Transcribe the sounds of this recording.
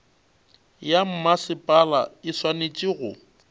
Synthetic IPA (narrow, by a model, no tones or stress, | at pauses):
jam̩masɪpʼalaɪswanet͡ʃʼiːɣʊ